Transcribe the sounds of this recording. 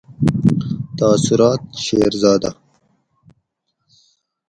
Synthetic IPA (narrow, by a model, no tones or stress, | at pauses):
t̪aːsʊɾɑːt̪̚ʃeɾzɑːd̪a